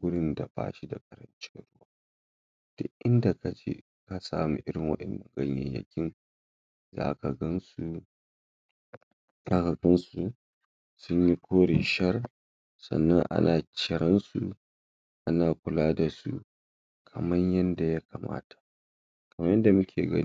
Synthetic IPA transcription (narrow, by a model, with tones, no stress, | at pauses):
wʊ˦ɽɪ˦nda˨ba̰ː˦ʃi˦da˨kʼɐ˨ɾɐ˦nt͡ʃe˦ɾʊ˦waː˦ | d̥ʊ˦ʔɪ˦nda˨ka˨d͡ʒḛː˦ | ka˨saː˦mu˨ʔɪ˦ɽɪ˨ŋwɐ̰˦ɗɐ˨nːɐ˨ŋɡɐ˦ɲjɐ̰˨ɲjɐ̰˨kʲɪ˦ŋ | za̰ː˦ka˨ɡɐ˦nsu˦ | zaː˦ka˨ɡɐ˦nsu˨ | sʊ˦ɲji˦kʷoː˦ɽɪ˨ʃɐ˦r | sɐ̰˨nːɐ˦ŋʔa̰˦naː˨t͡ʃɪ˨ɽɐ˦nsu˨ | ʔa˦naː˨kʷʊ˨laː˦da˨su˨ | kʰɐ˨mɐ˦ɲjɐ˦nda˨ja˦kʰaː˨ma̰ː˦tḁ˨ | kɐ˨mɐ˦jɐ˦nda˨mʊ˦kʲʰeː˨ɡɐ̰˦n˦